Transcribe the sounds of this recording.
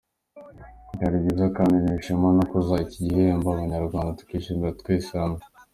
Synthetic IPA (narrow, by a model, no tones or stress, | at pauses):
kaɾiɟizakanineʃamanakuzaiciɟiɦejaːmbaβaɲaɾuɡaːnd̪at̪u̥kiʃimat̪kwesana